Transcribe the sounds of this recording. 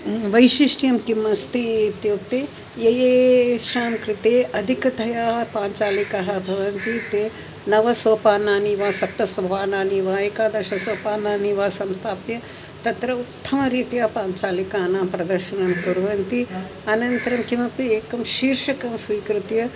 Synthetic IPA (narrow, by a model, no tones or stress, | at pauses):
ʋɐjʃiʂʈjɐmkimɐst̪it̪joːt̪eː | jɐjeːʃaːmkɾɪt̪eːʔɐd̪ʱikɐt̪ʰɐjaːɦɐpaːɲt͡ʃaːlikɐɦɐ̆bʱɐʋɐnt̪it̪eː | nɐʋɐsoːpaːnaːniʋaːsɐp̚t̪ːɐsɐbʱɐʋaːnaːniʋaːjekaːd̪ɐʃɐsoːpaːnaːniʋaːsɐmst̪ʰaːpjɐ | t̪ɐt̪ɾɐut̪ʰːɐmɐɾiːt̪jaːpaːɲt͡ʃaːlikaːnaːpɾɐd̪ɐɾʃɐnɐmkuɾʋɐnt̪i | ɐnɐnt̪ɐɾɐmkimɐpieːkɐmʃiːɾʃɐkɐmsʋiːkɾɪt̪jɐ